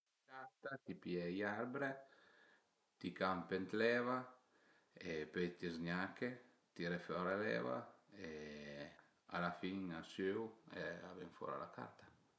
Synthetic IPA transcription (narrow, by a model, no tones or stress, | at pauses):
kaɾt̪at̪ipjɛjaɾbɾe | t̪ikampent̪lɛva | epejt̪izɲake | t̪iɾefɔɾelɛ̰va̰e | a̰lafiŋasøwɛa̰vɛŋfɔ̰ːɾa̰la̰kʰa̰ɾt̪ḁ